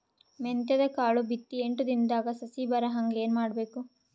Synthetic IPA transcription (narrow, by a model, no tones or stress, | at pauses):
ment̪jɐd̪ɐkaːɭubit̪ːieɳʈud̪ind̪aːɡɐsɐsibɐɾɐɦɐŋɡleːnumaːɽbe̞ːku